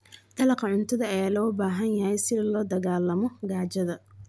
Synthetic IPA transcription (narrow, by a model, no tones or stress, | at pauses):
d̪̥ɐlɑqʰɐʕʊnt̪ʰɐðɐɐjaːlɔːbaːɦɐnjɐhɛjsɪðɐlɔːd̪ɐɣaːlɐmɔɡaːt͡ʃɐðɐ